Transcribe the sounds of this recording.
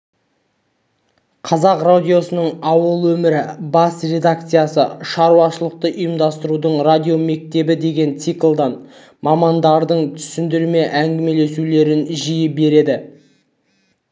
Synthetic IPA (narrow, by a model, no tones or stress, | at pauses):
qʰɑzɑqrad̪ʲijo̞sənəɴɑwəlˠwɵmɪɾɪbɑsrʲe̞d̪ak̚t̪sɨjasəʃɑɾuɑʃəlˠəq̚t̪əʔʊjəmd̪ɑst̪əɾud̪əɴrad̪ʲijo̞me̞k̚t̪e̞bɪd̪e̞ɡʲe̞nt̪siklˠd̪ɑn | mɑmɑnd̪ɑɾd̪əɴt̪ʰʏ̥sɪnd̪ɪɾme̞ʔæŋɡʲɪme̞le̞sule̞ɾɪnʒijɪbe̞ɾe̞d̪ɪ